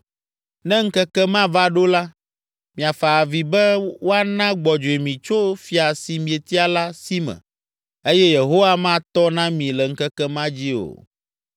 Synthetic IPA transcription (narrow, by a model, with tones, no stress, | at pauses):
nɛ̃˦ŋ̩˦kɛ˦kɛ˦mã˦va˦ɖo˦la˦ | mĩ˨a˨fa˨vi˨bɛ˦wo˦a˦nã˦ɡ͡bɔ˨d͡ʒo˨e˨mĩ˨t͡ʃo˦fi˨a˨si˨mĩ˨e˨t̪i˦a˨la˦si˦mɛ̰̃˨ | e˦jɛ˦je˨ɦo˦wa˦mã˦t̪ɔ˦nã˦mĩ˨lɛ˨ŋ̩˦kɛ˦kɛ˦mã˦d͡ʑi˦o̰˨